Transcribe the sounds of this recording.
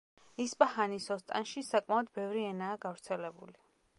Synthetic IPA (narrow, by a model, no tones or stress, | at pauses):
ispʼahanisɔst̪ʼa̰nʃisakʼmaɔd̪bɛvɾiɛnaːɡavɾt̪sʰɛlɛbṵli